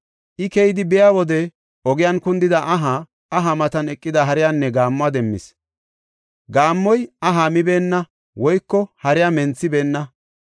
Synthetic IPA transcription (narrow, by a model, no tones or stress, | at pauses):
ʔɪkɛjɪd̪ɪbɪjaːwɔd̪ɛ | ʔɔɡɪjɐnkʊnd̪ɪd̪ɐʔɐɦaː | ɦɐmɐt̪ɐnɛkʼːɪd̪ɐɦɐɾɪjanːɛɡaːmːʊad̪ɛmːɪ̰s | ɡaːmːɔjɐɦamɪbe̞ːnːɐ | wɔjkːɔhɐɾɪjamɛnt͡sːɪbe̞ːnːɐ